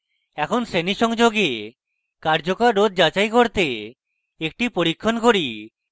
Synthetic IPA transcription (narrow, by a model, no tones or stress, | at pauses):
ɛkʰonseniʃɔŋd͡ʒoɡe | kaɾd͡ʒokaɾːod̪̚d͡ʒat͡ɕajkoɾt̪e | ek̚ʈipoɾikʰːonkoɾi